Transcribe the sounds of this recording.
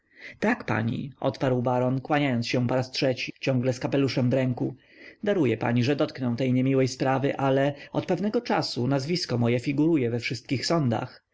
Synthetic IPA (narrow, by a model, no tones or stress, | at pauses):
t̪akpa̰ɲḭɔ̰t̪paɾwbaɾɔnkwaɲajɔnt̪sɕɛpɔɾastʂɛt͡ɕit͡ɕɔ̃ŋɡlɛskapɛluʂɛmdɾɛŋku | d̪aɾujɛpa̰ɲiʐɛd̪ɔt̪knɛw̃t̪ɛjɲɛmʲiwɛjspɾavɘʔalɛɔt̪pɛvnɛɡɔt͡ʂasunazvʲiskɔmɔjɛfʲiɡuɾujɛvɛfʂɘst̪kʲixsɔnd̪a̰x